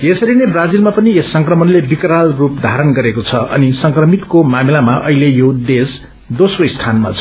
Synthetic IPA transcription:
jesʌɾinebrad͡zilmapʌniesːʌŋkrʌmʌnlebikɾalrupd̪ʱaɾʌnɡʌɾekot͡sʰʌʌ̰nisʌŋkrʌmit̪komamilamaʔʌ̰ɦilejod̪es | d̪osroist̪ʰanma̰t͡sʰʌ

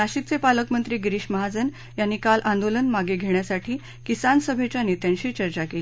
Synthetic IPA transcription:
aɕit̪̚t͡sepaləkmənt̪ɾiːɡɾiːɕməɦad͡zən | janːiːkalʔãnd̪olənmaɡeɡʱeɳ̃jasaʈʰiː | kisansəbʱet͡ɕjaniːt̪jaɲɕiːt͡ɕəɾt͡ɕakeli

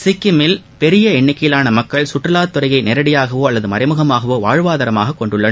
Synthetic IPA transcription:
sɪkːɪmɪl | pɛɾɪjɐɛɳːɪkːɐjɪlaːnɐmɐkːɐɭsʊʈrɐlaːt̪ːɔɾɐɪjɐɪnɛɾɐɽɪjaːɣɐʋoːɐlːɐðɯmɐɾɐɪmɯɣɐmaːɣɐʋoːʋaːɻʋaːðɐɾɐmaːɣɐkːɔɳɖɯɭːɐ

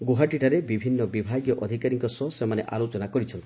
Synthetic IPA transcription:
ɡuɦaʈiʈaɾebibʱinːɔbibʱaɡjɔʔɔd̪ʱikaɾiŋkɔsɔsemaneʔa̰lot͡ʃɔnakɔɾit͡ʃʰɔnt̪ii̥

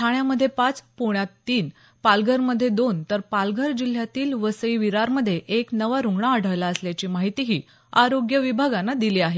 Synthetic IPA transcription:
t̪ʰaɳjaməd̪ʱːjepat͡spuɳjat̪ːiːn | palɡəɾməd̪ʱːjed̪ont̪əɾpalɡəɾd͡ʑil̤ːjat̪iːlʋəsəiʋiɾaɾməd̪ʱːjeʔeknəʋaɾuŋɡɳaəɽ̤əʋlaəsljat͡ɕiːmaɦit̪iɦiː | aɾoɡjəʋibʱaɡanːad̪iliːaɦe

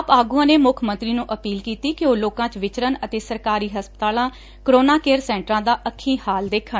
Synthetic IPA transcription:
apaːɡũãːneːmʊkʰmə̃nt̪ɾiːnũːʔəpiːlkiːt̪iːkɪoːloːkãːt͡ʃʋɪt͡ʃɾənət̪eːsəɾkaːɾiːɦəspət̪aːlãː | kɾoːnaːkeːɾsɛ̃ːɳʈɾãːd̪aːʔəkʰːĩːhaːld̪eːkʰən

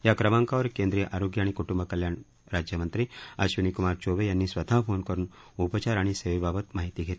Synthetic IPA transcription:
jakɾəmaŋkaʋəɾkend̪ɾijəʔaɾoɡjəaɽ̃ikuʈumbʱəkəljaɳ | ɾad͡ʑjəmənt̪ɾiːaɕʋinikumaɾt͡ɕoʋejanːiːsʋət̪afonkəɾuːn | upət͡ɕaɾaɽ̃iseʋbabət̪maɦit̪iːɡʱet̪i

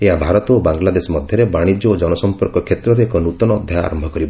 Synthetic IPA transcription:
eɦabʱaɾɔt̪ɔobaŋlad̪esɔmɔd̪ʱjɔɾebaɽ̃id͡ʒɔːd͡ʒɔnɔsɔmpɔɾkɔkʰet̪ɾɔɾeːkɔnut̪ɔnɔːd̪ʱjaa̰ɾɔmbʱɔkɔɾibɔ

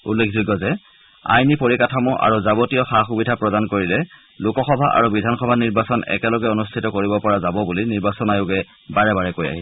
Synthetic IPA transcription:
ṵlːekʰzuɡɔzɛ | a̰jnipoɹikatʰamɔʔa̰ɹuzabotijɔxaxubidʱapɹɔdankoɹilɛ | lʊkɔxɔbʱaʔa̰ɹubidʱanxɔbʱaniɹbasɔnɛ̰kɛlɔɡɛonustʰitɔkoɹibɔpɔɹazabɔbuliniɹbasɔnajʊɡɛ | baɹɛbaɹɛkoja̰ɦi

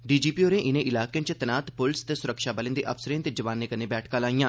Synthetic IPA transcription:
ɖiːd͡ʒiːpiːoːɾẽːʔɪnẽːʔɪlaːkeə̃ːt͡ʃt̪ənaːt̪pʊlst̪eːsʊɾəkʃaːbəlẽnd̪eːʔə̰fsəɾẽːt̪eːd͡ʒəʋaːnːeːkəneːbɛːʈʰkãːlaːijãː

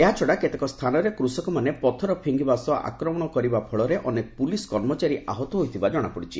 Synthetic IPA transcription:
eɦat͡ʃʰɔɽaket̪ekɔst̪ʰanɔɾekɾusɔkɔmanepɔt̪ʰɔɾɔpʰiŋɡibasɔʔa̰kɾɔmɔɽ̃ɔkɔɾibapʰɔɭɔɾeʔɔnekɔ̥puliskɔɾmɔt͡ʃaɾiʔa̰ɦɔt̪ɔɦojt̪ʰibad͡ʒɔɽ̃apɔɽit͡ʃʰḭ

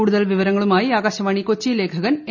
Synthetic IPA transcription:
uːɽuðɐlʋiʋɐɾɐŋːɐɭumaːjiaːɡaːɕɐʋaːɳikot͡ɕːile̞ːkʰɐɣɐne

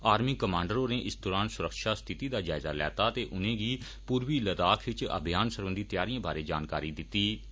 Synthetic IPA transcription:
aːɾmiːkəmãːɳɖəɾõːneːʔɪsd̪ɔːɾaːnsʊɾəkʃaːst̪ʰɪt̪iːd̪aːd͡ʒaːɪzaːlɛ̰ːt̪aːt̪eːʔʊnẽːɡiː | puːɾʋiːləd̪aːkʰʋɪt͡ʃə̰bʱijaːnsəɾʋə̃nd̪iːt̪ɪjaːɾiãːbaːɾeːd͡ʒaːnkaːɾiːd̪ɪt̪ːiː

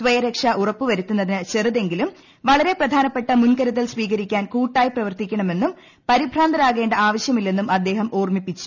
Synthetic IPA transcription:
sʋɐjɐɾekʂɐʔurɐpːuʋɐɾut̪ːunːɐðinɨt͡ɕe̞ruðe̞ŋɡilum | ʋɐɭɐɾe̞prɐd̪ʱaːnɐpːe̞ʈːɐmunkɐɾuðɐlsʋiːɣɐɾikʲːaːnkuːʈːaːjiprɐʋɐrt̪ikʲːɐɳɐme̞nːum | pɐɾibʱraːnd̪ɐɾaːɣe̞ːɳɖɐaːʋɐɕjɐmilːenːumɐd̪ːe̞ːɦɐmoːrmipːit͡ɕːu̥

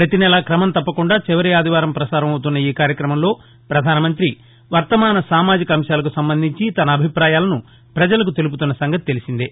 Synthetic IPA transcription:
pɾɐt̪inɛlakɾɐmɐnt̪ɐpːɐkuɳɖaːt͡ʃiʋɐɾiaːd̪ʱiʋaːɾɐmpɾɐsaːɾɐmɐwt̪unːɐiːkaːɾjɐkɾɐmɐmlo̞ː | pɾɐd̪ʱaːnɐmɐnt̪ɾi | ʋɐɾt̪ɐmaːnɐsaːmaːd͡ʒikɐɐmʃjaːlɐkusɐmbɐnd̪ʱiɲt͡ʃit̪ɐnɐːbʱipɾaːjaːlɐnu | pɾɐd͡ʒɐlɐk̬ut̪e̞lup̬ut̪unːɐsɐŋɡɐt̪i̥t̪e̞lisind̪i

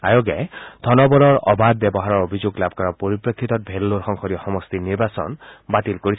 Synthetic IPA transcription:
ajoɡɛd̪ʱɔnɔbɔɾɔɹɔ̰bad̪̚bɛbɔɦaɹɔɹobʱizoɡlab̚kɔɹɔpoɹipɹɔkʰːit̪ɔt̚bʱelːoɹxɔŋxʰɔɾiɔxɔmɔst̪iniɹbasɔ̰nbat̪ilkoɹi

